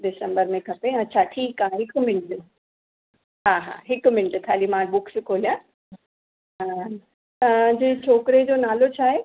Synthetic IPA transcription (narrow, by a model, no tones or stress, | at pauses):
ɖɪsə̃mbəɾmẽkʰɐpeɐtːɕʰaʈʰiːkãːɦɪkmɪnʈ | ɦaːɦa̰ːɦɪkmɪnɪʈʊ̆kʰaːlimãɓʊkskʰoːlijã | ɦaː | t̪ɐ̃d͡ʑeːt͡ɕʰoːkɪɾed͡ʑoːnaːlot͡ɕʰaːɦe